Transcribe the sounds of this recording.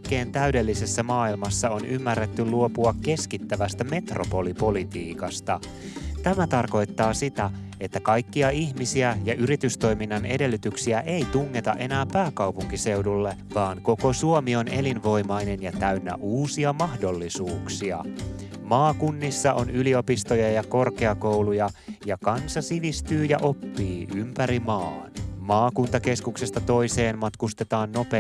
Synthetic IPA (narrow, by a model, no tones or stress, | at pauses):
kːe̞ːnt̪æyde̞lːise̞sːæmɑːilmɑsːɑo̞nymːærːet̪ːyluopuɑkːe̞skit̪ːæʋæst̪æme̞t̪rʔopo̞lipo̞lit̪iːkɑst̪ɑ | t̪æmæt̪ɑrko̞jt̪ːɑːsit̪æ | e̞t̪ːækɑjkːiɑiçmisiæjɑʔyɾit̪yst̪o̞jminːɑne̞de̞lːyt̪yksiæʔejt̪uŋːe̞t̪ɑ̰ʔe̞næːkpæːkɑwpuŋkise̞wdulːe̞ʋɑːŋko̞ko̞suomio̞ne̞linʋo̞jmɑjne̞njɑt̪æynːæ̰ʔuːsiɑmɑhdo̞lːisuːksiɑ̰ | mɑːkunːisːɑʔo̞nylio̞pist̪o̞jɑjɑko̞rke̞ɑko̞wlujɑjɑkɑnsɑsiʋist̪yːjɑʔo̞pːiːʔympæɾimɑːnmɑːkunt̪ɑke̞skukse̞st̪ɑt̪o̞jse̞ːnmɑt̪kust̪e̞t̪ɑːnːo̞pe